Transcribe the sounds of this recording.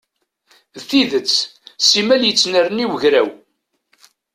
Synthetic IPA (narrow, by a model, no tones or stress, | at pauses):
ðθiðət͡sːsimæljət͡sːnəɾəniwəʝɾæw